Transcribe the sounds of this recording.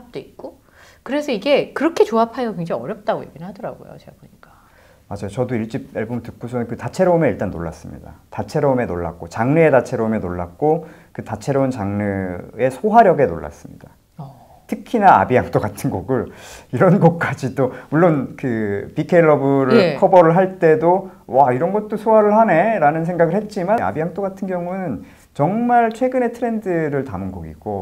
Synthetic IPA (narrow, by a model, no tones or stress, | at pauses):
p̚t͈oik̚k͈o | kɯɾe̞sʰʌiɡe̞kɯɾʌkʰe̞t͡ɕoapʰajokwɥeŋd͡ʑaŋiʌɾjʌp̚t͈aɡoje̞̰ɡinɭhadʌɾaɡo̰jo̰t͡ɕe̞ɡaboɲik͈ḁ | mad͡ʑajot͡ɕʌdoiɭt͡ɕ͈ip̚eɭbomɭtɯk̚k͈ʰosʰʌnɯnkɯtat͡ɕʰe̞ɾoume̞iɭt͈anːo̰ɭːa̰s͈ɯmɲḭda̰tat͡ɕʰe̞ɾoume̞noɭːa̰k̚k͈ot͡ɕaŋnɯetat͡ɕʰe̞ɾoume̞noɭːak̚k͈okɯtat͡ɕʰe̞ɾount͡ɕaŋnɯe̞sʰoɦaɾjʌɡe̞no̰ɭːa̰s͈ɯmɲḭd̥a | tʰɯkʰinaa̰bihaŋt͈oɡatʰɯnɡoɡɯɭiɾʌnɡʌk̚k͈ad͡ʑit͈omuɭːonkɯpikʰe̞ɭːʌbɯɾkʰʌbʌɾɯɭɦaɭt͈e̞dowaiɾʌnɡʌt̚t͈osʰoɦaɾɯɭɦane̞ɾanɯns̬ʰe̞ŋɡaɡɯɭhe̞t̚t͡ɕ͈imaa̰biɦaŋt͈oɡatʰɯnɡjʌŋunɯn | t͡ɕʌŋmaɭt͡ɕʰwe̞ɡɯne̞tʰɯɾe̞ndɯɾɯɭtamɯnɡoɡḭɡ̥o